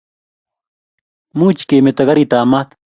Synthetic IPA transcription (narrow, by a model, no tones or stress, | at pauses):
muːt͡ʃkeːmet̪ɐɣɐɾit̪aːmat̪